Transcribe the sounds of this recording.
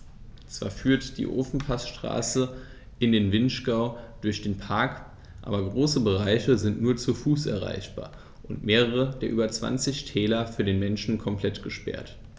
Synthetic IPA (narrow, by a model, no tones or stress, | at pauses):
t͡sv̥a̰ːɐfyːɐtd̥ḭːʔo̰ːfn̩pʰasʃtʁ̥a̰ːsə | ʔɪndeːnvɪnʃɡ̥aʊd̥ʊɐçd̥eːnpʰaɐk | ʔa̰ːbɐɡʁoːsəbəʁ̞aɪçəzɪntnuːɐt͡sufuːsʔɛ̰ɐʁ̞a̰ɪçb̥a̰ːɐ | ʔʊntmeːʁəʁ̞ədeːɐʔyːbɐt͡sv̥a̰nt͡sɪçtʰɛːlɐfyːɐdeːnmɛnʃn̩kʰɔmpl̥ɛtɡ̥əʃpɛ̰ɐt